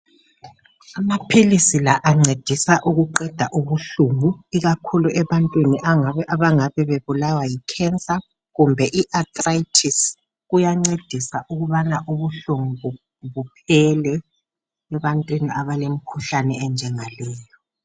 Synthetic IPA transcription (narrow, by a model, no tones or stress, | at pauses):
amapʰilisilaʔaŋ͡ǀed̥ʱisaʔuɣuǃɛd̥ʱaʔuβuɬuŋuiɣakʰuluʔɛβantʼwiniʔaŋaβɛʔaβaŋaβɛβeβulawajikʰɛnt͡sʼa | ɣumbʱɛʔiʔatʼrajtʰis | ɣujaŋ͡ǀed̥ʱisaʔuɣuβanaʔuβuɬuŋuɣu | βupʰɛlɛ | ɛβantʼwiniaβalem̩kʰuɬanɛɛnd͡ʒʱɛŋalɛːjɔ